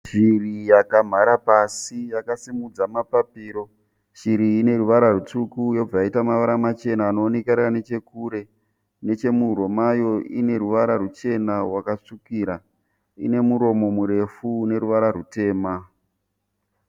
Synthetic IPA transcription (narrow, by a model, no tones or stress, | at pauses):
ʃirijakam̤aɾapasijakasimud͡zamapapiːɾo̞ | ʃiɾiːne̞ruʋaɾarut͡sukujo̞b͡vajaitamaʋaɾamat͡ʃe̞naːnoːnekaɾane̞t͡ʃe̞kuɾe̞ | ne̞t͡ʃe̞muro̞majo̞ʔine̞ɾuʋaɾarut͡ʃe̞narwakaʂukiɾa | ḭne̞muɾo̞mo̞muɾe̞fune̞ɾuʋaɾaɾute̞ːma